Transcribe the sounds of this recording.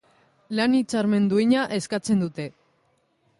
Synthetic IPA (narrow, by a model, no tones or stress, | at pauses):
lanit͡saɾme̞nd̪uiɲaʔe̞skat͡se̞nd̪ut̪e̞